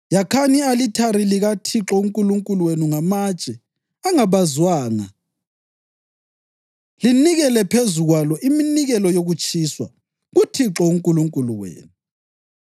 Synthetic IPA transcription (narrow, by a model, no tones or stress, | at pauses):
jakʰanialitʰaɾiliɣatʰiǁɔuŋkʼuluŋkʼuluwenuŋamḁt͡ʃʼɛ | aŋaβazwaːna̰ | liniɣɛlɛpʰezuɣwalɔʔiminiɣɛlɔjoɣut͡ʃʼiːswa̰ | ɣutʰiǁɔuŋkʼuluŋkʼuluwḛːnu